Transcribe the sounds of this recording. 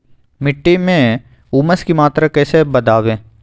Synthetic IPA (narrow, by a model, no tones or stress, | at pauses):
mɪʈːimẽ | uːməskimaːt̪ɾakɛːsebɐd̪aːʋẽː